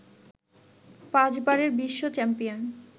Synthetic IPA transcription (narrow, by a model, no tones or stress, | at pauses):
pãd͡ʑbaɾeɾbiʃːot͡ɕɛmpijon